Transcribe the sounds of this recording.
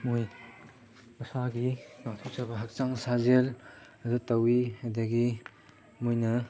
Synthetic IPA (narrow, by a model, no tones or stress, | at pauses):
moj | bɐsaɡinatʰɔksabɐɦak̚t͡ʃaŋsazel | ɐdutɐwiadɐɡi | mojnɐ